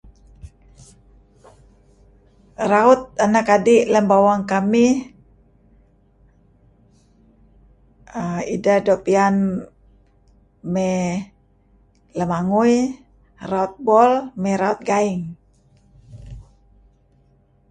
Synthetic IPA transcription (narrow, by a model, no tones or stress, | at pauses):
raut̪̚anakadiləmbawaŋkami | əidadopian | mɛ | ləmaŋuj | raut̪̚bɔlmɛɾaut̪̚ɡaiŋ